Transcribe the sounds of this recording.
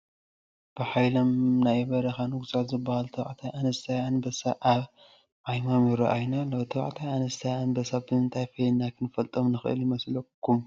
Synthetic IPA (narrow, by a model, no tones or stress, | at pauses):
b̥ɨħajlomnajbɐɾɐxanɨɡusat̪zɨbːahalt̪ʰɐβa̰ʕt̪ʰajanɐst̪ʰajanbɐsaʔaβ | ʕajmamjɪɾɐʔajnaloβt̪ʰɐβ̰ʕt̪ʰajanɐst̪ʰajanbɐsabɨɨnt̪ʰajfɐjnakʰɨnɨfɐlt̪ʼomnɨxɨʔɨ̰ljɪmɐslɐkʰːum